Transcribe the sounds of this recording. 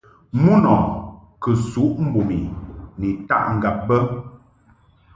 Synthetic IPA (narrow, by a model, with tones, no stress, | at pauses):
mu˦nɔ˨kə˨su˨˦ʔm̩˦bo˨mi˨ni˨ta̰˦˨ʔŋ̩˨ɡa˨p̚bə˦